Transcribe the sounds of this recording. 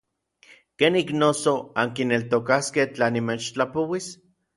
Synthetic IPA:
keːniknoːsoaŋkinelt̪okaskeht͡ɬaːnimeːt͡ʃt͡ɬapowis

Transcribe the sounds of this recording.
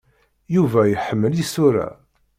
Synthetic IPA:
juvæjəħəmːəlisʊɾæ̰

